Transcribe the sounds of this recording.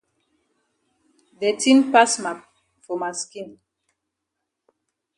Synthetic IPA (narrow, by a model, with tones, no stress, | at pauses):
dɛ˨ti˦npa˦sma˨k̚ | fo˨ma˨ski˦n